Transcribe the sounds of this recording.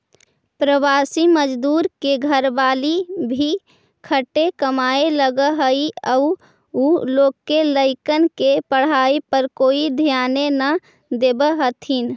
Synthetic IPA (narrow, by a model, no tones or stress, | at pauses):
pɾəʋaːsiməd͡ʒd̪uːɾkeɡʱəɾbaːlibʱi | kʰəʈekəmaeləɡəɦəiəu | uloːɡkːeləɪkənkepəɽ̤aipəɾkoːid̪ʱjaːnenə | d̪ebəɦət̪ʰɦin